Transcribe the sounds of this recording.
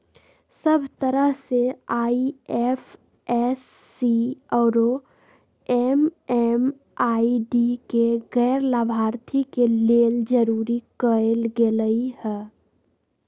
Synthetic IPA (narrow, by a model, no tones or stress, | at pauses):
səbʱt̪əɾəɦseaːiɛf | ɛːsː | iɔːɾo | ɛːmɛːm | aːiɖikeɣɛːɾlaːbʱaːɾt̪ʰikeleːld͡ʒəɾuːɾikəelɡeləihɛː